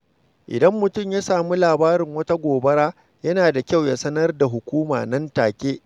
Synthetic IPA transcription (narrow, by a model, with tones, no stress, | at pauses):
ʔɪ̰˨dɐ˦mːʊ˨tʊ˦˨mja˦saː˨mu˦laː˨baː˦ɾɪ˨ŋwɐ˦ta˦ɡʷoː˨bɐ˦ɽaː˦ | jɐ˦naː˨da˨kʲa˦˨wja˦sɐ˦nɐ˦rda˨ɦʊ˨kʷuː˦ma̰ː˨nɐ˦ntaː˨kʲeː˦ʔ